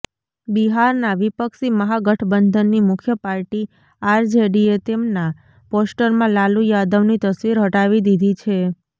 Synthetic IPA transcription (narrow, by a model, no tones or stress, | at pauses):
biɦaɾnaʋipəksiməɦaɡəʈʰbənd̪ʱənːimʊkʰjəpaɾʈi | aɾd͡ʒeɖiet̪emna | posʈəɾmãlalũjad̪əʋnit̪əsʋiɾɦəʈaʋid̪id̪ʱit͡ʃʰe